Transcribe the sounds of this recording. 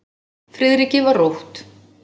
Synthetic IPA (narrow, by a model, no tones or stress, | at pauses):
fɾɪðɾicɪvarowht̪